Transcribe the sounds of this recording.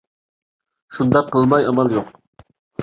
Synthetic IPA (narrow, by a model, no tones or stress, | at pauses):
ʃund̪ɑqʰːəlˠmɑjɑmɑlˠjoq